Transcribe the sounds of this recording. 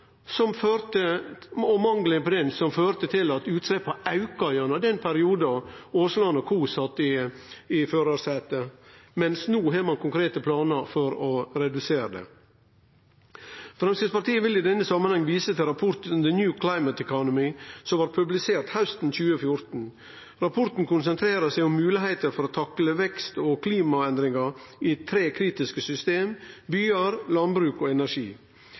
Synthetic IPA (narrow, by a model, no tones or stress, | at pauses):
sɔmføɾt̪əɔmɑŋɡləpɔd̪ɛnsɔmføːɾt̪ət̪ʰɪlɑt̪ʉːt̪slɛpːɑʔɑʉkɑʏɑnəd̪ɛnpʰæɾɪuːd̪ɑoːslɑnɔkʰuːsɑt̪ːɪɪføːɾɑːɾsɛt̪əmɛnsnuːɦeːd̪mɑnkʰʊŋkʰɾeːt̪əpʰlɑːnəɾfɔɾɔɾɛd̪ʉseːɾəd̪ɛ̰ | fɾɛmsɪspɑɾt̪iːəʋɪlid̪ɛnːəsɑmːənhɑŋʋiːsət̪ʰɪlɾɑpʰʊɾt̪ʉnd̪ənjʉːkʰlɑɪmət̪ɛkʰɔnʊmɪsɔmʋɑːɾpʰʉblɪseːɾt̪haʉst̪n̩c͡çʉːəfjʊɾt̪n̩ | ɾɑpʰʊɾt̪n̩kʊnsənt̪ʰɾeːɾəsæɪʊmːʉːlɪɦeɪt̪əɾfɔɾoːt̪ʰɑkləʋɛkst̪oːkʰliːmɑɛnd̪ɾɪŋɑɾiːt̪ʰɾeːkʰɾiːt̪ɪskəsʏst̪eːmbyːəɾlɑnbɾʉːkoːɛnæɾʂiː